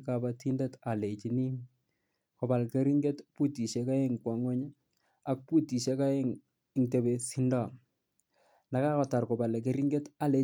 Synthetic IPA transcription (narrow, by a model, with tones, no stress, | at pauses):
kaba˦ti˦ndɛ˦ta˨le˨t͡ʃi˨ni˦ŋ | ko˨ba˨lke˦ɾi˦ŋɡe˦tpu˦ti˨ʃe˦ka˦e˦ŋkwa˨ŋwo˦ɲ˦ | a˦k̚pu˦ti˨ʃe˦ka˦e˦ŋ | ɪ˨ŋte˨be˨si˦nda˦˨ | na˨ka˦kɔ˨ta˨ɾko˨ba˨le˨k̬e˦ɾi˦ŋɡe˦ta˦le˨